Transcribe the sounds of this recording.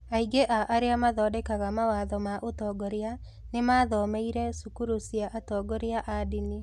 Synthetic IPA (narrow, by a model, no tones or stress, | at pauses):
aiɡeʔaʔaɾeamaðɔːdɛkaɣamawaðɔmaʔotɔːɡɔɾea | nemaðɔːmeiɾɛsukuɾusiaʔatɔɡɔɾeaʔadini